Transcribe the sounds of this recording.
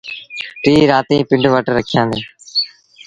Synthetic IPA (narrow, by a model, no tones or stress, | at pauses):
ʈɾiːɾaːt̪ĩːpɪɳɖʋəʈɾəkʰɪjãːnd̪eː